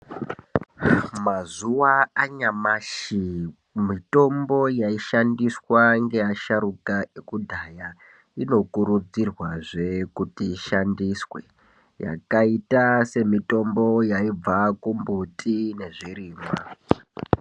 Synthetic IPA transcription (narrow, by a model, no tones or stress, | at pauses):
mazuwaaɲamaːʃi | mito̞mbo̞jaiʃandiswaŋɡe̞jaʃaɾukaekudʱaja | ino̞kuɾud͡zirwaʐe̞kutiːʃandiswḛ | ja̰kaitase̞mito̞mbo̞jaib͡vakumbutʰʼine̞ʐiriːma